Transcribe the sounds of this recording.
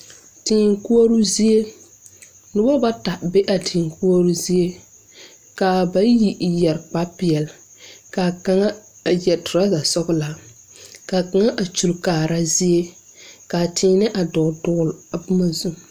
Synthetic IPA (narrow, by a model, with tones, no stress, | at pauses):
tɪː˨ŋku˦ɔ˦ɾu˦zi˦e˦ | nʊ˦ba˦ba˦ta˨be˦ʔa˨tʰɪ̃ː˨ŋku˦a˦ɾu˦zi˦e˦ | ka˨ba˦ji˨jɛ˨ɾk͡pa˦pɪ˨ɛ˨l | ka˨ka˨ŋa˦˨ | jɛ˨tʊ˨ɾa˦za˨sɔ˦ɡʊ˦la˨ | ka˨ka˨ŋa˦ʔa˨t͡ʃu˨lkaː˨ɾa˦zi˦e˦ | ka˨tʰɪː˨nɪ˦ʔa˨dɔ˨dʊ˦˨la˨bʊ˦ma˨zu˦m